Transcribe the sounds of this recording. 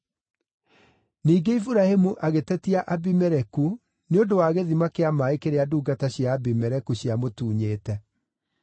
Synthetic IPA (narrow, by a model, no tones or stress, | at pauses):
niːɡeifuɾahemuʔaɣetɛtiaʔabimɛɾɛku | neodowaːɣeðimakeamaekeɾeaduːɡataɕjaːbimɛɾɛkuɕjamotuːɲeːtɛ